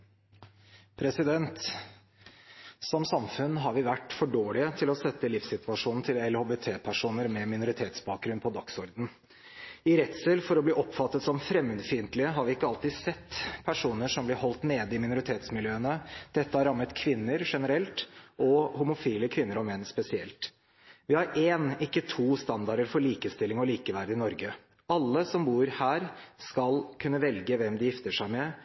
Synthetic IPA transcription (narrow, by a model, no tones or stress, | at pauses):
pʰɾɛsɪd̪ɛnt̪ | sɔmsɑmfʉnːɦɑɾʋɪʋæʈːfɔɖoːɭɪət̪ʰɪlɔsɛt̪ːəlɪfsɪt̪ʰʋɑʂuːnn̩t̪ʰɪlɛlhoːbet̪ʰeːpʰæʂuːnəɾmɛmɪnʊɾɪt̪ʰeːt̪sbɑːk̚ɡɾʉnpʰɔd̪ɑksɔɾd̪n̩ | ɪɾɛt̪səlfɔɾɔbliːʔɔpfɑt̪ːət̪sɔmfɾɛmːʉd̪fɪnt̪lɪəɦɑɾʋɪɪkːəɑlt̪iːdsɛt̪ːpʰæʂuːnəʂɔmblɪɾɦɔlt̪neːd̪ɪmɪnʊɾɪt̪ʰeːt̪smɪljøːənəd̪̥ɛt̪ːəhɑɾɑmːət̪kʰʋɪnːəɾʂɛnəɾɛlt̪ʔɔhʊmʊfiːləkʰʋɪnːəɾɔmɛnːspɛsɪɛ̰lt̪ | ʋɪhɑɾeːnɪkːət̪ʰuːst̪ɑnd̪ɑɾəɾfɔɭiːkəst̪ɪlːɪŋɔliːkəʋæɾd̪əɪnɔɾɡə | ɑlːəsɔmbuːɾhæːɾskɑlkʰʉnːəʋɛlɡəʋɛmd̪ɪjɪft̪əʂæɪmɛ